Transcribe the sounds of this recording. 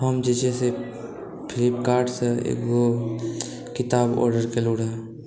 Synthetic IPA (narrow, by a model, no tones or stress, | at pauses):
ɦɔːmd͡ʒet͡ʃese | pʰɪlɪpkaːɾɖseḛːkɡo | kɪt̪aːbɔ̰ːɾɖəɾkeluːɽɛ